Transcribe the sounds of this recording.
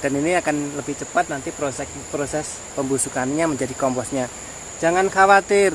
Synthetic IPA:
d̥a̤niniakanləb̥ɪht͡ʃəpat̪̚nant̪ipɾosɛ | pɾosɛs | pəmbusukanɲaməɲd͡ʒadikɔmpɔsɲḁ | d͡ʒaŋankawat̪ɪr

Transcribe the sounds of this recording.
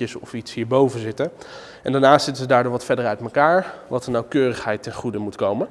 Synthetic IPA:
əsɔfitsɦiːɹbowvənzɪtən | ʔɛ̰ndaːɹnaːstsɪtəzədaːɹdoːɹʋɑtfɛdərœɥtməkaːɹʋɑtənawkøːrəχɦɛjtɛnχudəmutkowmən

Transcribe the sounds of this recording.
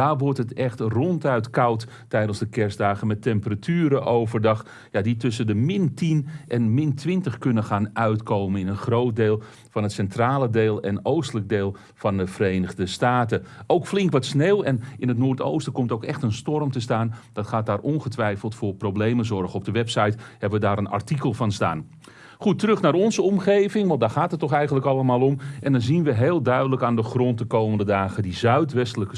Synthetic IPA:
daːʋɔrtətɛxtrɔntœɥtkɑwtː | ɛjdənˠzdəkɛrsdaːɣəmɛtɛmpəratʰyːɾəʔowvərdɑχ | jaditʏsəndəmɪntinʔɛnmɪntʰʋɪntəχkɵnəχaːnœɥtkoːwmənɪnənχrowt̚deːlˠ | fɑnɦətsɛntraːlˠədeːlˠɛnowstələk̚deːlˠ | fɑndəvərejnəɣdəstaːtəʔowkflɪŋkʋɔtsneːwɛnɪnətnoːrto̰wstəkɔmtowkɛxtənstɔrmtəstaːnd̥ɑtχaːt̚daːrʔɔnχətʋɛjfəlˠtfʊːrproblejməzɔrχəɔb̚dəʋɛpsɑjthɛbəʋədaːɾəna̰rtikəlˠfɑnsta̰ːn | χutərɵxnaːɾɔnzəɔmχejvɪŋʋɛlˠdaːrχaːtɦətːɔxɛjxəntləkɑlˠəmaːlˠɔmʔɛndɑnzinʋəɦeːlˠdœɥdələkaːndəχrɔntəkowməndədaːɣədizœɥtʋɛstələkə

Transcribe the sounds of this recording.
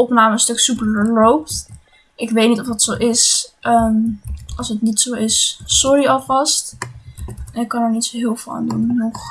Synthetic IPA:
ɔpnaːməənstɵksypəəlowpt | ʔɪkʋejtnitɔfətsowʔɪsʔəmʔɑlˠsətnitsowɪssɔɹiɑlˠvɑst | ɛnɪkːɑnəɹnitsoɦɪːlˠvɪa̰ːndunnɔχ

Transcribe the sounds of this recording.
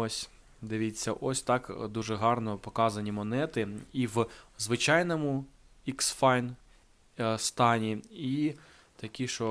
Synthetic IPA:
ɔsʲ | d̪ɪʋʲit͡sʲːɐʔɔsʲt̪ɑkd̪uʒɛɦɑrnɔpɔkɑzɐnʲimɔnɛt̪ɪiwzʋɪt͡ʃɑjnɔmʊ | iksfɑjn | st̪ɑnʲii | t̪ɐkʲiʃt͡ʃɔ

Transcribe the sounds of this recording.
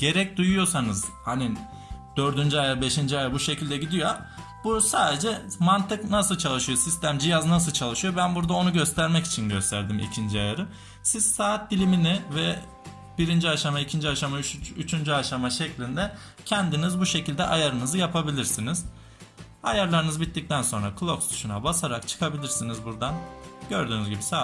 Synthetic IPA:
ɟ̥e̞ɾɛc̚d̪ujujo̞sanɯzhani | d̪̥ø̞ɾd̪ynd͡ʒyajaɾbe̞ʃind͡ʒiajaɾbuʃe̞cʰilʲd̪ɛɟid̪ijo̞ | busaːd̪e̞d͡ʒɛmant̪ɯknasɯlˠt͡ʃʰalˠɯʃɯjo̞sist̪ʰæmd͡ʒijaznas̬ɯlˠt͡ʃʰalˠɯʃɯjo̞bænbuɾd̪ao̞nuɟø̞st̪ʰæɾmɛci̥t͡ʃʰinɟøst̪ʰæɾd̪imḭcʰind͡ʒiajaɾɯ | sizsaːt̪̚d̪ilʲiminɪvɛ | biɾind͡ʒiaʃamaicʰind͡ʒiaʃamayt͡ʃʰynd͡ʒyaʃamaʃɛclʲind̪ɛ | cʰɛnd̪inizbuʃe̞cilʲd̪ɛʔajaɾɯnɯzɯjapʰabilʲiɾsiniz̥ | ajaɾlˠaɾɯnɯzɯbit̪ːic̚t̪ʰænso̞nɾakʰɯlˠo̞pst̪y̥ʃunabasaɾakt͡ʃʰɯ̥kʰabilʲiɾsinizbuɾd̪anɟøɾd̪yːnyzɟibisa

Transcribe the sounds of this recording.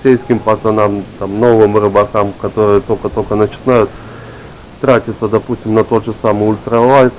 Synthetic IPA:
sʲejskʲɪmpɐt̪ɐnamt̪amno̞vɨmɾɨbɐkamkɐt̪o̞ɾɨjət̪o̞kət̪o̞kənət͡ɕɪ̥najʊt̪ | t̪ɾatʲɪt̪səd̪ɐpusʲtʲɪmnɐt̪o̞t̪ʐɨsamɨjʊlʲt̪ɾɐlˠat̪

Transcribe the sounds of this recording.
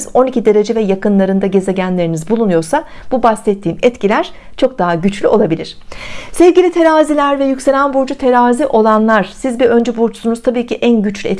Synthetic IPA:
zo̞nicid̪e̞ɾe̞d͡ʒɛvɛjakɯnlˠaɾɯnd̪aɟe̞ze̞ɟænlʲe̞ɾinizbulˠunujo̞ɾsa | b̥ubasɛt̪ʰːiːmɛt̪cilʲæɾ̥ | t͡ʃʰo̞k̚d̪aɦaɟyt͡ʃlʲyʔo̞lˠabilʲiɾ̥sɛvɟʲilʲit̪ʰe̞ɾaːzilʲæɾvɛjycse̞lʲænbuɾd͡ʒut̪ʰe̞ɾaːziʔo̞lˠanlˠaɾ̥sizbiø̞nd͡ʒɛbuɾt͡ʃsunuzt̪ʰabiːcʰiʔænɟyt͡ʃlʲyɛt̪

